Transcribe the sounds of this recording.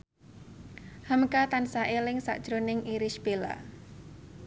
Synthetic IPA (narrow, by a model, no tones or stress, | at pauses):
həmkat̪ansaʔelɪŋsa̰ʔd̥ʒ̥ɾonɪŋiɾɪʃb̥ela̰